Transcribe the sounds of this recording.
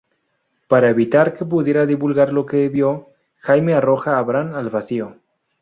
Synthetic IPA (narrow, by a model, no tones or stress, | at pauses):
paɾaeβit̪aɾkep̬uðjeɾaðiβulɣaɾlo̞keβjo | xajmearoxaːβɾanalβasio